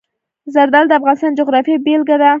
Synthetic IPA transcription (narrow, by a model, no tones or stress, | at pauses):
zaɾd̪ald̪əafɣɑnɪst̪ɑnd͡ʒʊɣɾɑfjebelɡad̪a